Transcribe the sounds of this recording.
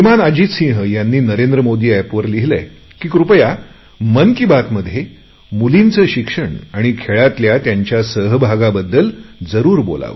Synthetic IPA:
ʋimanad͡ʑiːsĩɦjanːiːnəɾend̪ɾəmod̪iːæpʋəɾliɦilə | kiːkɾupəja | mənkibat̪məd̪ʱje | mulint͡səːɕikʂəɳaɽ̃ikʰeɭat̪ljat̪jaɲt͡ɕjasəɦbʱaɡabəd̪ːəld͡zəɾuːɾbo̰la̰ʋə

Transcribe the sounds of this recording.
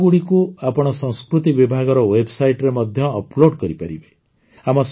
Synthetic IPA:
ɡuɽikuapɔɽ̃ɔsɔ̃ŋskɾut̪ibibʱaɡɔɾɔwebsajʈɾemɔd̪ʱjɔːploɖkɔɾipaɾibe̥ | amɔs

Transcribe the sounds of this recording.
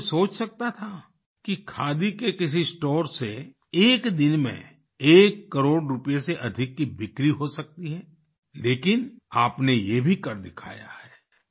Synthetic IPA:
soːt͡ʃsɐk̚t̪at̪ʰa | kikʰaːd̪ikekɪs̬isʈoːɾse | eːkd̪ɪnmḛ̃ | eːkːɐɾoːɽɾʊpjeseʔɐd̪ʱɪkːibɪkɾiɦosɐk̚t̪iɦɛː | leːkɪnaːpnejebʱikɐɾd̪ɪkʰa̰ːja̰hɛː

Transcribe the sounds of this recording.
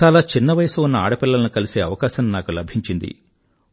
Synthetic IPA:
aːlaːt͡ʃinːɐʋɐjɐsuunːɐa̰ːɽɐpilːɐlɐnukɐlise̞ːɐʋɐkaːʃɐnnaːkulɐbʱiɲt͡ʃind̪ḭ

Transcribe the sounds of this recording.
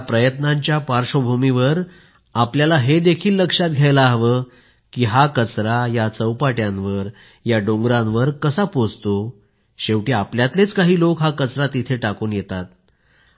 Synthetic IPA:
pɾəjət̪naɲt͡ɕjapaɾʂobʱumiʋəɾ | apljalaɦed̪ekʰiːlːəkʂat̪̚ɡʱjajlaːɦʋəː | kiːɦakət͡sɾajat͡səwpaʈjãnʋəɾ | jaɖoŋɡɾãnʋəɾkəsapod͡zt̪o | ɕeʋʈiːapljat̪let͡skaɦiːlokɦakət͡sɾat̪it̪ʰeʈakuːnjet̪at̪̚

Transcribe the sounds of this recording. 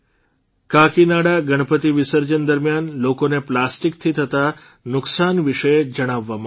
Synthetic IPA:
kakinaɽaɡəɽ̃əpət̪iʋɪsəɾd͡ʒənd̪əɾmjanlokoneplasʈikt̪ʰit̪ʰət̪a | nʊksanʋiʃəed͡ʒəɽ̃aʋːamã

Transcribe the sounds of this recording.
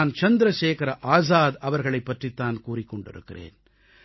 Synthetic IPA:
nt͡ʃɐnd̪ɾɐʃeːkɐɾɐʔaːs̬aːd̪ɐʋɐɾɣɐɭɐɪpːɐʈrit̪ːaːnkuːrɪkːɔɳɖɪ̰ɾɯkːɪrḛːn

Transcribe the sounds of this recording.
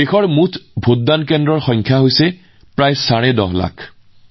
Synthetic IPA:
exɔɹmutʰbʱodːankɛndɹɔɹxɔjŋkʰjaɦojsɛ | pɹajsaɹɛdɔ̰ɦla̰kʰ

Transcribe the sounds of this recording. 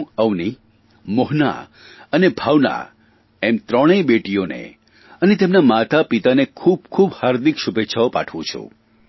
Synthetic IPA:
əwni | moɦna̰ | ənebʱawna̰ | emt̪ɾəɽ̃ebeʈionḛ | ənet̪emnamat̪apit̪anekʰub̚kʰubhaɾd̪ikʃubetːʃʰaopa̰ʈʰʋũt͡ʃʰṵ

